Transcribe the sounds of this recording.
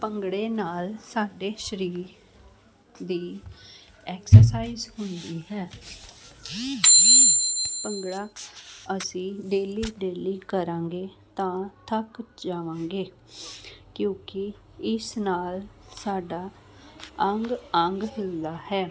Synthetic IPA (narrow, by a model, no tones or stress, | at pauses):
pəŋɡɽeːnaːlsaːɖeːʃəɾiːɾ | d̪iː | ɛːksəɾsaːizhʊnd̪iːɦɛː | pəŋɡɽaːəsĩːɖeːliːɖeːliːkəɾãːŋɡeː | t̪ãːt̪ʰəkd͡ʒaːʋãːŋɡeː | kjõːkɪ | ɪsnaːl | saːɖaː | əŋɡəŋɡɦɪld̪aːhɛː